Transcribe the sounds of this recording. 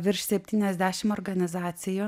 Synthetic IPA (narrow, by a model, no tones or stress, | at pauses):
ʋʲɪɾʃsʲɛpʲt̪ʲiːnʲɛzʲd̪ʲæːʃʲɪmɔːɾɡɐnʲɪzɑːt̪sʲɪjoː